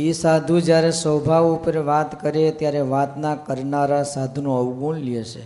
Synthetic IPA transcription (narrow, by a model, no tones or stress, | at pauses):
isad̪ʱũd͡ʒjaɾesəbʱaʋupəɾʋat̪kəɾet̪jaɾeʋat̪nakəɾnaɾasad̪ʱunũəʋɡunlieʃe